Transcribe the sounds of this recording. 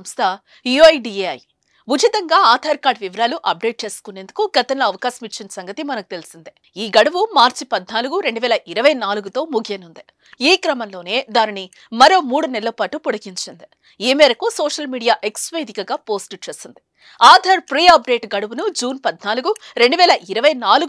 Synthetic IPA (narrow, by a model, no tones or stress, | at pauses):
mst̪ʰɐ | iɐjɖieːɐj | ʋud͡ʒʱit̪ɐŋɡaːaːd̪ʱaːɾkaːɾɖʋiʋɐɾaːluʔɐp̚ɖe̞ːʈ̚t͡ʃe̞ːsu̥kuneːnd̪ukuɡɐt̪ɐnlo̞ːɐʋɐkaːʃɐmit͡ʃːinɐsɐŋɡɐt̪imɐnɐkut̪e̞lisind̪i | iːɡɐɽɐʋumaːɾt͡ʃipɐd̪naːluɡuɾe̞ɳɖuʋɛːlɐʔiɾɐʋɐjnaːluɡut̪o̞ːmuɡʱeːnund̪i | iːkɾɐmɐnlo̞ːne̞ːd̪aːnini | mɐɾo̞ːmuːɽunɛlːɐpaːʈupɔɽɐɡiɲt͡ʃind̪i | iːmɛːɾɐkusoːʂɐlmiːɽijaːʔeksʋeːd̪ikɐɡaːpo̞ːsʈt͡ʃe̞ːsind̪i | aːd̪ʱaːɾpɾiːjɐp̚ɖe̞ːʈɡɐɽɐʋunud͡ʒuːnpɐd̪naːluɡuɾe̞ɳɖuʋɛːlɐʔiɾɐʋɐjnaːluɡ